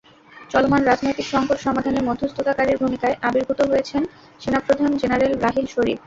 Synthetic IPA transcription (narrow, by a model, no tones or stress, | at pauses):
t͡ɕɔlomanɾad͡ʑnojt̪ikʃɔŋpoɾʃɔmad̪ʱaneɾmod̪ʱːost̪ʰot̪akaɾiɾbʱumikaeʔabiɾbʱut̪oɦojet͡ɕʰen | ʃenapɾod̪ʱand͡ʑenaɾelɾaɦilʃoɾḭb̚